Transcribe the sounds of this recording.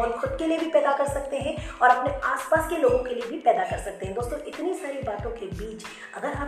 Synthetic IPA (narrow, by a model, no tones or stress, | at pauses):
ʊnxʊd̪keliebʱipɛːd̪akɐɾsɐk̚t̪eɦɛ̃ɔːɾɐpneaːspaːskeloːɡõkeliebʱipɛːd̪akɐɾsɐk̚t̪eɦɛ̃d̪oːst̪õʔɪt̪nisaːɾibaːt̪õkebiːt͡ʃ | ɐɡəɾɦɐ